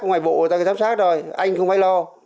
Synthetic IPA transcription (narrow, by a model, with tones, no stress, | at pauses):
ŋ͡mŋaː˨˩jɓo̰˧˨˩t̪aː˧˨˦zaː˨˦msaː˦˥k̚zo˨˩jʔa˧jŋ̟xə˧wŋ͡mfaː˨˦lɔ˧